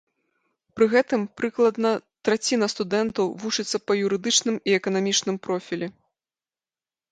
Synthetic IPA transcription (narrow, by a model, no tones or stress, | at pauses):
pɾɨɣɛt̪ɨmpɾɨklˠɐd̪nɐt̪ɾat͡sʲinɐst̪ud̪ɛnt̪ɐwvut͡ʂɨt̪sːɐpɐjuɾɨd̪ɨt͡ʂnɨmiɛkɐnamʲit͡ʂnɨmpɾɔfʲilʲɛ